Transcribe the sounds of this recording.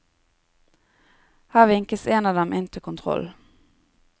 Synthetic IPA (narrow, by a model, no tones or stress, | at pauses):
hæːʋɪŋkəseːnɑːʋd̪ɛmʔɪnt̪ʰəkʰʊnt̪ʰʁɔ̰l